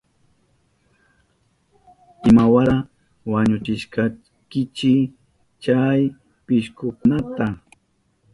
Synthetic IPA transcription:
ɪmawaɾa | waɲʊt͡ʃɪʃkɑ | kɪt͡ʃɪ | t͡ʃaj | pɪʃkʊkʊnat̪a

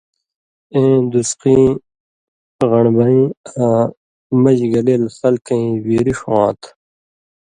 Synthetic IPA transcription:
ẽːd̪usqĩ | ɣɐɳbɐĩã | mɐd͡ʑɡɐleːlxɐlkɐ̃ĩwiːɾiʂãːt̪ʰ

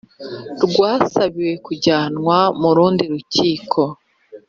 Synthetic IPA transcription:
ɾɡwaːsaβiwe̞kuɟaːnŋwamuɾuːndiɾucʰiːkʰo̞

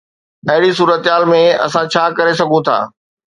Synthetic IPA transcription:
ɐɦɪɽisuːɾət̪ɪɦaːlmẽɐ̰sãt͡ɕʰaːkɐɾes̬ɐɡʱũt̪ʰa̰ː

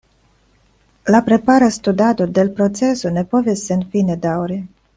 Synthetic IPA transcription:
lapɾe̞paɾast̪ud̪ad̪od̪elpɾot̪t͡se̞sone̞po̞vesːenfined̪awɾi

